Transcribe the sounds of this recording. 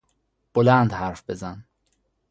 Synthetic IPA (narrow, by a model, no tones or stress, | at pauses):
b̥olænd̪hæɾfbe̞zæn